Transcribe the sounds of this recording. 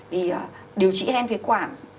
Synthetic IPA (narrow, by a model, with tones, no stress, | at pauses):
vi˨˩ə˨˩ | ɗi˨˩əwt͡ɕḭ˧˥hɛ˧nfi˨˦kwaː˧˩n